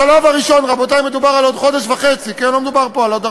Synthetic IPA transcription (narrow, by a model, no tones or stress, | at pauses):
alavaʁiʃo̞nʁabot̪ajmed̪ubaʁalo̞d̪χo̞deʃvaχet͡sikɛnlomed̪ubaʁpo̞alod̪a